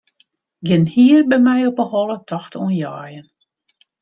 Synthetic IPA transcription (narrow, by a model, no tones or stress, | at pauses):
ɡɪnhiərbɛmɛjɔpəhɔlˠətʰɔxtʰuənjaːjən